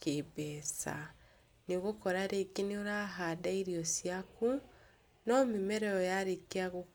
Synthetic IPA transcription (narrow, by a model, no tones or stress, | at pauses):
kebɛsa̰ | niɣokɔɾaɾeɡinioɾaɦadaiɾiɔsiaku | nɔmimɛɾɛɔjaɾekeaɣu